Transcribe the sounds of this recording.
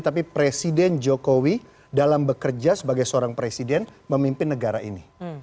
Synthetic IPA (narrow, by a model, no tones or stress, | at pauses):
t̪ap̬ipɾesidɛnd͡ʒokowi | dalambəkərd͡ʒasəbaɡajsəoɾaŋpɾesidɛnməmimpɪnːəɡaɾaḭni